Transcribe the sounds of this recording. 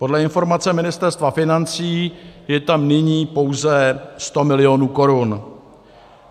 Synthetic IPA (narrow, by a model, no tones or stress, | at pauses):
po̞dlɛɪnfo̞ɾmat͡sɛmɪnɪst̪ɛɾst̪vafɪnant͡siːjɛt̪amnɪɲiːpo̞wzɛst̪o̞mɪlɪo̞nuːko̞ɾun